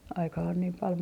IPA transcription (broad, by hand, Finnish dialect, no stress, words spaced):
ɑikɑ on niːm pɑl